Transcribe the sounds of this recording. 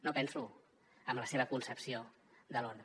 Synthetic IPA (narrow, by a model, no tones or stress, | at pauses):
nopɛnsu | əmləseβ̞əkunsəpsio | d̪əlon